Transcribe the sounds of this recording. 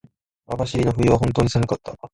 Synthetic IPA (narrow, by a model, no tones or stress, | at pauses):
abaɕiɾʲinoɸɯ̟iβ̞aɦõ̞nt̪o̞ːɲ̟isaŋɯkat̪ːa